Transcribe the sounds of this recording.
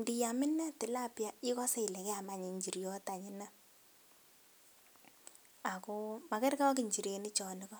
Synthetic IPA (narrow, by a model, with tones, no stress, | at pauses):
ndi˨ja˨mɪ˦nːa˦tɪ˨la˦˨pja˦ɪ˦kɔ˦sɛ˦i˨lɛ˨kɛ˦a˨ma˦ɲe˨ɲd͡ʒi˨ɾjɔ˦ta˨ɲɪ˦na˦ | a˨ko˦ma˨kɛ˦ɾka˦a˦ki˨ɲt͡ʃi˨ɾe˨nɪ˦t͡ʃɔ˨ni˦kɔ˦